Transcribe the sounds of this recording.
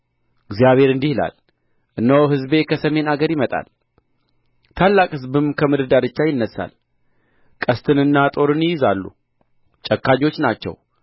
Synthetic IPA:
ɨɡzijaβhe̞ɾɨnd̪ihla̰l | ʔɨnːəwɦɨzbe̞kʰəsəme̞naɡəɾjɪmət̪ʼa̰l | t̪ʰalːakʼhɨzbɨmkʰəmɨd̪ɨd̪aɾɨt͡ʃːajɪnːəsːa̰l | kʼəst̪ʰɨnɨnːat̪ʼo̞ɾɨnjɪjɪzalːṵ | t͡ʃʼəkːaɲo̞t͡ʃːnat͡ʃːɛ̰w

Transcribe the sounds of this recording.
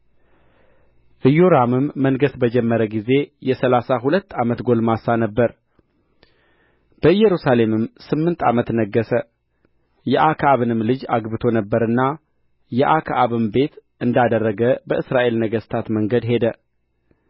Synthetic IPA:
ʔɨjoɾamɨmːəŋɡəsbəd͡ʒɛmːəɾəɡize̞jɛsəlasaɦulət̪ːamət̪ɡo̞lmasanəbːəɾ | b̥əjɛɾusale̞mɨmsɨmːɨnt̪ʰa̰mət̪nəɡːəsə | jɛʔakʰaaβɨnɨmlɨd͡ʒaɡbɨt̪ʰo̞nəbːəɾɨnːa | jɛʔakʰaʔaβɨmbe̞t̪ʔɨnd̪ad̪ərːəɡəbəʔɨsɾaʔe̞lnəɡəst̪ʰat̪məŋɡəd̪ɦe̞d̪ə

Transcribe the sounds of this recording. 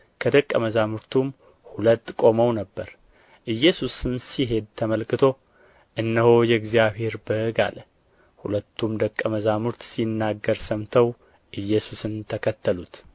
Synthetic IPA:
kʰəd̪əkʼːəməzamuɾt̪ʰum | hulət̪ːkʼo̞məwnəbːəɾ | ʔɨjːɛsusɨmsiɦe̞d̪̚t̪ʰəməlkɨt̪ʰo̞ | ʔɨnːəhojɛɪɡzjaβhe̞ɾbəɨɡa̰l | hulət̪ʰːumd̪əkʼːəməzamuɾt̪sinːaɡːəɾsəmt̪ʰəw | ʔɨjːɛsusɨnt̪ʰəkʰət̪ʰːəlut̪

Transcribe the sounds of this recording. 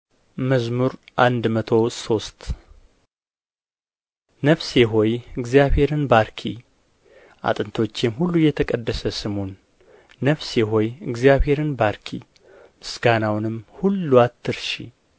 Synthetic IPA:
məzmuɾʔand̪mət̪ʰo̞so̞st̪ | nəfseɦojɨɡzijaβhe̞ɾɨnbaɾkʰi | ʔa̰t̪ʼɨnt̪ʰo̞t͡ʃːjɛmhulːujɛt̪ʰəkʼəd̪ːəsəsɨmonː | əfseɦojɨɡzjaβhe̞ɾɨnbaɾkʰḭ | mɨsɡanawnɨmhulːuat̪ʰːɨɾʃḭ

